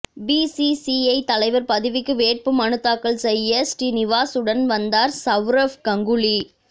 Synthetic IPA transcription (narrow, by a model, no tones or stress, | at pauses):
biːsisiɐɪt̪ɐlɐɪʋɐɾpɐðɪʋɪkːɯʋeːʈ̚pɯmɐɳɯt̪ːaːkːɐɭsɛjːɐsʈinɪʋaːsɯɽɐnʋɐnd̪aːɾsɐʋɾɐfkɐŋɡɯɭi